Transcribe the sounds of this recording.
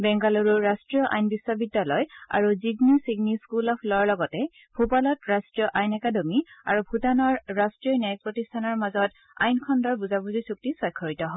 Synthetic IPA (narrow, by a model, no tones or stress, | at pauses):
bɛŋɡaluɹuɹastɹijɔʔa̰jnbiswɔbidːalɔja̰ɹuziɡnisiɡniskulɔpʰlɔɔɹlɔɡɔtɛ | bʰʱupalɔtɹastɹijɔʔajnɛkadɔmia̰ɹubʱutanɔɹːastɹiɔnajk̚pɹɔtistʰanɔɹmazɔt | a̰jnkʰɔndɔɹbuzabuzisuk̚tisɔjkʰːɔɹitɔɦɔ